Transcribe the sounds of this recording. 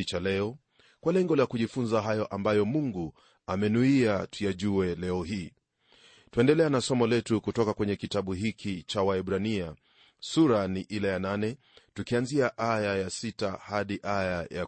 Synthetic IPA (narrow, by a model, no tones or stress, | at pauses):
t͡ʃalɛɔ | kwalɛŋɡɔlakuʄifunzaɦajɔʔambajɔmuŋɡu | amɛnuiatujaʄuɛlɛɔɦiː | tuɛndɛlɛanasɔmɔlɛtukutɔkakwɛɲɛkitaɓuɦikit͡ʃawaɛɓɾania | suɾaniʔilajananɛ | tukianziaʔajajasitahaɗiʔajaja